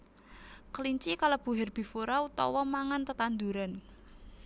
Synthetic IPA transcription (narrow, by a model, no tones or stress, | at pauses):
kəliɲt͡ʃikalab̥ṳɦɛrb̥i̤foɾaut̪ɔ̰wɔmaŋant̪ət̪and̪uɾan